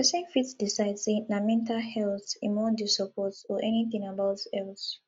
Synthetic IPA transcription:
ɛsɛ̃nfitsdisaɪdsenamɛ̃ntalhɛlθĩnmɔdisɔpʰɔtɔʔɛniθĩŋabaʊtɛls

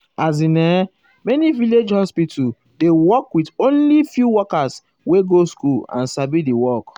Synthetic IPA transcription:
az̬inɛ | mɛniviled͡ʒhɔspitʰu | dewɔkwitõnlifjuwɔkas | weɡoskulã̰nsabidiwɔk

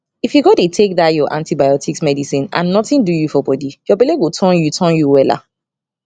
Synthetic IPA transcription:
ifjuɡodetʰek̚ðajɔʔãntibajɔtʰiksmɛdisĩnã̰nːɔtĩndujufɔbɔdijɔbɛleɡotʰɔ̃njutʰɔ̃njuwɛla̰

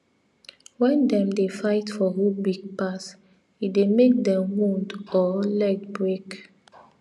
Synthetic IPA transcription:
wɛ̃ndɛ̃mdefaɪtfɔhubiɡ̚pas | idemek̚dɛ̃mwũndɔlɛdbɹek

